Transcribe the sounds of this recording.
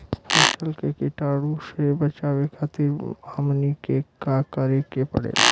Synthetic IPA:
piʃəlkekɪʈaːɽusebət͡ʃaːʋekʰat̪iɾaːmnikekakəɾekepə̰ɽḛː

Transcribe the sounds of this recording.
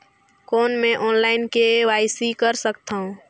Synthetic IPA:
kɔːnmẽʔɔːnlaːɪnkeʋaːɪsikəɾsəkt̪aːɦũ

